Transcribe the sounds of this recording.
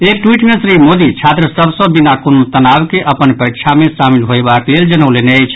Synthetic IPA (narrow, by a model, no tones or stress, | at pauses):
ekʈwiʈmẽsɾimod̪it͡ʃʰat̪ɾəsəbsə̃binakonot̪ənawkeʔəpənpəɾikt͡ʃʰamesamilɦoebakleld͡ʒənəleneəjt͡ʃʰ